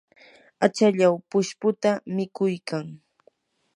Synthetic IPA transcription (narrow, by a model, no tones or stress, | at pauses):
at͡ʃaʎawpʊʃpʊt̪amɪkʊjkaŋ